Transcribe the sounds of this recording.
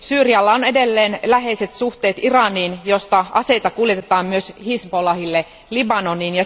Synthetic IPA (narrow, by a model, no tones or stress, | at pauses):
syːriɑlːɑone̞de̞lːeːnlæɦe̞jse̞t̪suxt̪eːt̪irɑniːnjo̞st̪ɑʔɑse̞jt̪ɑkuljet̪et̪ɑːmmyøshisbolɑhilːe | libɑnoniːnjɑ